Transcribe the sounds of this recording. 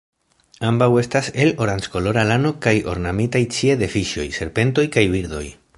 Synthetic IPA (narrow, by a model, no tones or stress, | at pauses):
ambawe̞stase̞lo̞ɾant͡ʃko̞lo̞ɾalano̞kajo̞̰ɾnamitajt͡ʃie̞d̪e̞fiʃo̞̰jse̞ɾpe̞nto̞jkajbiɾd̪o̞̰j